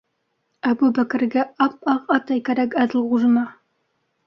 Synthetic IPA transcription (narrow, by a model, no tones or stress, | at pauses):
æbubækɘ̆ɾɡæʔɑp̚ɑqɑt̪ɑjkæɾækæd̪ɘlˠʁuʒɤ̆nɑ